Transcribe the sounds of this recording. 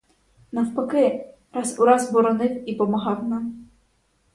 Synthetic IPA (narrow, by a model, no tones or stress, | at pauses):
nɐwpɐkɪ | ɾɑsuɾɑzbɔɾɔnɪwipɔmɐɦɑwnɑm